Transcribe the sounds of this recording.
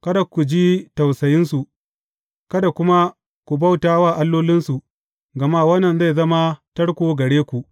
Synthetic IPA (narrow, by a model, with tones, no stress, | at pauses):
kɐ˦da˨ku˨d͡ʒiː˦tɐ˨wsɐ˨jɪ˦nsu˨ | kɐ˦da˨kʷʊ˦ma˦ | kʷu˨ba˦˨wtaː˦waː˦˨ʔa˦lːoː˦lɪ˦nsu˨ | ɡɐ˨maː˦wɐ˦nːɐ˨nza˦˨zɐ˦ma˦tɐ˦ɽkʷoː˨ɡɐ˨ɽeː˦kʷu˨ʔ